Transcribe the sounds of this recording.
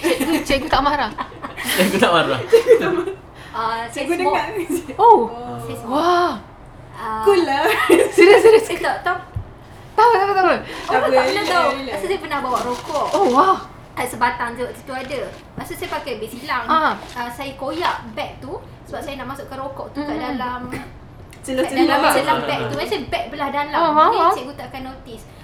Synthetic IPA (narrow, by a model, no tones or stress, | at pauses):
t͡ʃɛɡut̪aʔmaɾah | ɛɡut̪aʔmaɾaɡu | asaɡudmɔaʔosɛswa | aulasiɾəsiɾəsat̪at̪a | t̪awət̪aat̪awəoaaaənaapasusajpənahbawaʔɾokɔʔowa | aʔsəbat̪aŋt̪əwaʔt̪ut̪uadə | pasusajpakajbesilaŋəsajakojaʔbɛk̚t̪u | səbap̚sajanaʔmasʊʔkanrokɔʔ̚t̪ut̪aʔdalam | t͡ʃəloalasalaŋbɛk̚t̪uɛnsajəbɛk̚bəlahdalaisajəɡut̪akanːot̪is